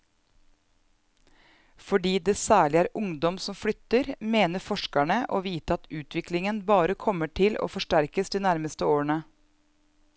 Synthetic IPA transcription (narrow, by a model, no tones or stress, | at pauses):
fɔɖiːd̪eːsæːɭɪæːɾʊŋd̪ɔmsɔmflʏt̪əɾmeːnəɾfɔʃkæɳəʔoːʋiːt̪əɑt̪ʉːt̪ʰʋɪklɪŋənbɑːɾəkʰɔməʈʰɪlo̰ːfɔʂʈæɾkəsd̪iːnæɾməst̪əoːɳə